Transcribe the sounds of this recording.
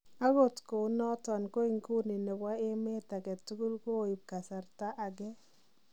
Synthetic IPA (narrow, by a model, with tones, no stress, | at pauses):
a˦ɣo˨tko˨˦nɔ˦tɔ˨nko˦i˨ŋku˦ni˨ne˨wa˦ɪ˦me˦ta˨ɡɛ˨tːu˦ɡu˦lko˦˨i˨p̚ka˨sa˨ɾta˦ʔa˨ɡɛ˦